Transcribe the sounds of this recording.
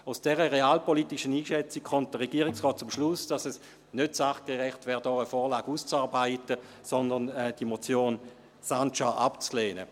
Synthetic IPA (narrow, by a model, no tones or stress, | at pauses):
aʊsd̥ɛʁəʁeaːlpɔlitiʃəniːʃɛt͡sikkɔmt̚d̥əʁɛɡ̥iːʁɪksʁɔːt̚t͡sʊmʃlʊsd̥ɑsɛs | nøtsaχɡ̥eʁɛχtvɛːʁdɔːəfoːʁlaːɡ̥ust͡saːʁbaɪtə | sɔndənɛd̥imɔt͡sjoːn | sant͡ʃaʔɑpt͡sleːnə̰